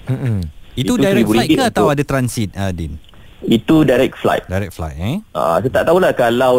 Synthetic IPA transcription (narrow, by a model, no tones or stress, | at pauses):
m̩it̪udajɾɛuilajkaat̪awadat̪ɾansit̪̚ədin | it̪udajɾɛk̚fla̰jt̪̚dajɾɛk̚fla̰jt̪̚ɛa̰ʔã̰sot̪aʔt̪aulahkalaw